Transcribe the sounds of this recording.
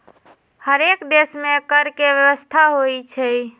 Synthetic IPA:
həɾekd̪esmekəɾkeʋjəwəst̪ʰaɦojt͡ʃʰɛ

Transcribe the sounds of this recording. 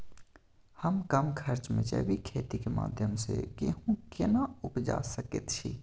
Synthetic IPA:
həmkəmkʰəɾt͡ʃmḛ̃d͡ʒə̰bikʰeːt̪ikema̰ːd̪ʱjəmsekeɦũkɪnaʊpd͡ʒa̰ːsəkḛt̪t͡ʃʰḭː

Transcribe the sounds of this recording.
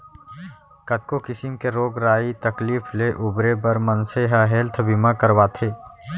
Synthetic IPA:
kət̪̚kokɪsɪmkeɾoːɡɾaːit̪əkliːfʰleʔʊbɾebəɾmənseɦaɦeːlt̪ʰbɪmakəɾwaːt̪ʰeː

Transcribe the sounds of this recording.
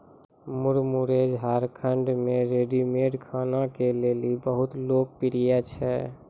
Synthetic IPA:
muɾmuɾed͡ʒɦaɾkʰəɳɖmeɾeɖimeɖkʰanakelelibəɦut̪lok̚piɾijat͡ʃʰɛ

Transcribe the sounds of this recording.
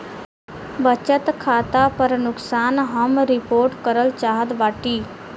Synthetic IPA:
bət͡ʃət̪kʰaːt̪apəɾnʊksaːnɦəmɾɪpoːɾʈkəɾəlt͡ʃaːɦət̪baːʈiː

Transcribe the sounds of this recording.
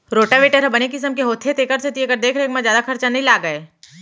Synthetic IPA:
ɾoːʈaʋeːʈəɾɦɐbɐnek̬ɪs̬əmkeɦoːt̪ʰet̪eːkəɾset̪iekəɾd̪eːkʰɾeːkmãzjaːd̪akʰɐɾt͡ʃanɐɦĩlaːɡɐeː

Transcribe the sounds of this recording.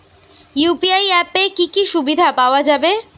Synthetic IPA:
jupiajɛpekikiʃubid̪ʱapaoad͡ʑabe

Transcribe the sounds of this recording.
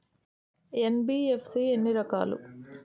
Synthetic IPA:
enbiːepʰsiːenːiɾɐkaːlṵ

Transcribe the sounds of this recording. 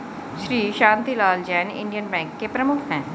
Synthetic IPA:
ʃɾiːʃãːnt̪ilaːld͡ʒɛːnɪ̰̃ɳɖijənbɛ̃ːŋkːepɾəmʊkʰɦɛ̃ː

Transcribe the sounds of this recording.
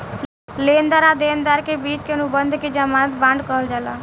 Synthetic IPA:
lend̪aɾad̪eːnd̪aɾkebiːt͡ʃkenubənd̪ʱked͡ʒamaːt̪bãːɳɖkəɦəld͡ʒala

